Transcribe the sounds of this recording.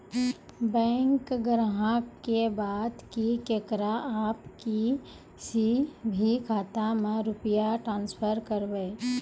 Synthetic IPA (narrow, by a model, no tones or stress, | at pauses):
bɛ̃ːŋkɡɾɦãkebaːd̪kikeːkɾaʔaːpki | sibʱikʰaːt̪amẽɾʊpəjaʈɾãːnspʰəɾkəɾbe